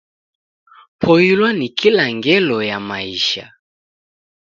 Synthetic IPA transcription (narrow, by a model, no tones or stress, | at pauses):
pʰɔilwanikʰilaŋɡɛlɔjamaiʃa̰